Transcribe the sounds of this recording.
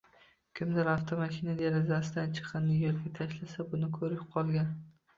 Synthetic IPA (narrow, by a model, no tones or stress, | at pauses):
kʲʰɪmd̪ɪɾaft̪ʰomaʃinad̪eɾazasɪd̪ant͡ʃʰɨ̥qʰɨnːɪjoɾɡʲat̪ʰaʃlasabʊnɪkʰɵɾɪqʰɒlˠɡʲan